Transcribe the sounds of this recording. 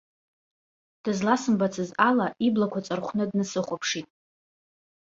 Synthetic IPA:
d̥ɨzlasɨmbat͡sʰɨzalaiblakʷʰat͡sʼarχʷnɨdnɨsɨχʷapʰʂitʼ

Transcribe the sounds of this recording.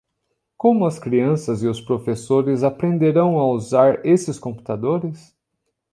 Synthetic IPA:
kõmʊɐskɾiɐ̃sɐzɪʊspɾofesoɾɪzapɾẽnd̪eɾɐ̃w̃ɐuzaɾesɪskõmpu̥t̪ad̪oɾɪs

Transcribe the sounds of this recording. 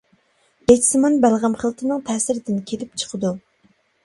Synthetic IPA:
ɛt͡ʃʰsɨmɑnbælʁəmχəlˠt̪ʰɨnɨŋt̪ʰɛːsɪɾɪd̪ɪnkʲʰelɪp̚t͡ʃʰə̥qʰəd̪u

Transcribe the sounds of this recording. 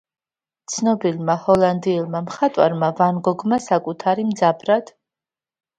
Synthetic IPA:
t̪sʰnɔbilˠmahɔlˠand̪iːlˠmamχat̪ʼwa̰ɾmavanɡɔɡmasakʼut̪ʰaɾimd̪zabɾad̪̥

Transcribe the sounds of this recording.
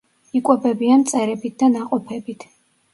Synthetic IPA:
ikʼwɛbɛbiant̪sʼɛɾɛbit̪̚d̪anaqʼɔpʰɛbit̪ʰ

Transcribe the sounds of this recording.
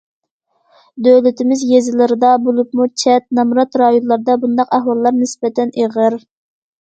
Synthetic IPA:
d̪øwlɪt̪ʰɪmɪzjezɪlɪɾɨd̪ɑbolˠup̚mut͡ʃʰɛt̪̚nɑmɾɑt̪ɾɑjonlˠɑɾd̪ɑbund̪ɑqæhwɑlˠːɑɾnɪsbɛt̪ʰɛneʁəɾ

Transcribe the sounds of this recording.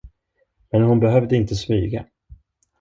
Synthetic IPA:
mɛnhʊnbɛɦœvd̪əɪnt̪əsmyːɡa̰

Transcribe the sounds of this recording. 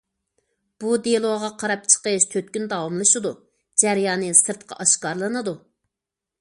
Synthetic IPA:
b̥ud̪elˠoʁɑqʰɑɾɑp̚t͡ʃʰə̥qəʃt̪ʰøt̪̚kʲynd̪ɑwɑmlˠɨʃɨd̪u | d͡ʒæɾjɑːnɨsɨɾt̪qʰɑ̰ʔɑʃkɑɾlˠɨnɨd̪u

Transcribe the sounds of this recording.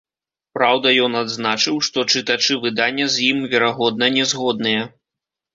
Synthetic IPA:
pɾawd̪ɐjɔnad̪znat͡ʂɨwʂt̪ɔt͡ʂɨt̪at͡ʂɨvɨd̪anʲːɐzʲjimvʲɛɾaɣɔd̪nɐnʲɛzɣɔd̪̚nɨjɛ

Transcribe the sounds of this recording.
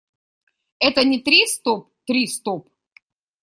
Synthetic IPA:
ɛt̪ənʲɪt̪ɾʲist̪op̚ | t̪ɾʲist̪op

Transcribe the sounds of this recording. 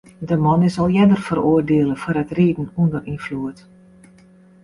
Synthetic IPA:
dəmɔnɪsɔlˠjɛdərfəɾoərdeələfɔɾətriːdn̩undərinfluət

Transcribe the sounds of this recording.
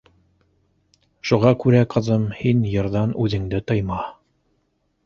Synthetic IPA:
ʃuʁɑkʉɾæqɤ̆ðɤmhinjɤ̆ɾðɑnʉðɘ̆ŋd̪ɘt̪ɤ̆jmɑ

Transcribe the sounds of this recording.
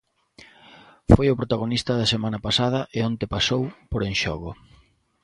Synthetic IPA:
fojʊpɾot̪aɣ̞onist̪ɐðɐsemãnɐpasað̞ɐʔeont̪epasowpoɾeŋʃɔɣʊ

